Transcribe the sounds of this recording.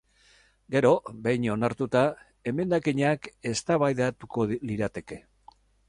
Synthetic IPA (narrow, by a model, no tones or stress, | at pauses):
ɡe̞ɾo̞be̞jɲo̞naɾt̪ut̪a | e̞me̞nd̪akiɲake̞st̪aβajðat̪uko̞liɾat̪e̞ke̞